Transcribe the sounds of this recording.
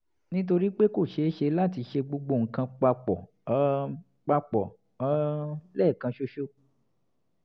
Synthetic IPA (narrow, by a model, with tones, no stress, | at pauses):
nĩ˦t̬o˧ɾi˦k͡pe˦ko˦˨ʃe˧˦ʃe˧la˦˨ti˧ʃe˧ɡ͡bo˧ɡ͡bo˧˨ŋ̩˨kã˧k͡pa˧k͡pɔ˨˦ | k͡pa˧k͡pɔ̰˨˦ | lɛː˦˨kã˧ʃo˦ʃo˦